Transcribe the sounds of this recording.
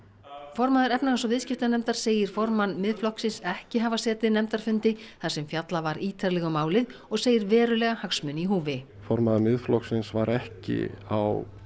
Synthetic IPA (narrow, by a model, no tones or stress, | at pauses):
fɔɾmaðʏɾɛpnaɣasɔvɪðscɪft̪anɛmt̪aɾ̥seːjɪɾ̥fɔɾmanmɪðflɔhksɪnsɛhcɪɦavasɛːt̪ɪnɛmt̪aɾ̥fʏnt̪ɪθḁsɛmfjat̪lavaɾiːt̪ʰaɾlɛɣʏmaːwlɪðɔɣseːjɪɾvɛːɾʏlɛɣahaksmʏniɦuːvɪ | fɔɾmaðaɾmɪðflɔksɪnsvaɾɛhcɪ̰a̰w